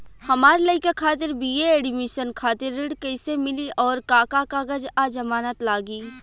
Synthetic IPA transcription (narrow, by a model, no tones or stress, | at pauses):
hɐmaːɾlɐɪkakʰaːt̪ɪɾbieeːɽɪmɪʃənkʰaːt̪ɪɾːɪɽkɐɪsemɪliʔɔːɾkaːkakaɡəd͡ʒad͡ʒɐmaːnət̪laːɡiː